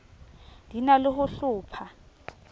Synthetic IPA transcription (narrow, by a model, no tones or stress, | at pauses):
d̥ʱinalɪhʊɬʊːpʰa